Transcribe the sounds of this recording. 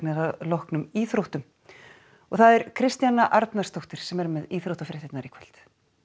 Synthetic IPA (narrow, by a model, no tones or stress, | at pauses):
nɛðalɔhknʏmiːθɾowht̪ʏm | ɔɣθaðɛɾkʰɾɪst̪janːaʔaɾt̪nar̥st̪owht̪ɪɾ̥sɛmɛɾmɛðiθɾowht̪afɾɪht̪et̪naɾikʰvɛl̥t̪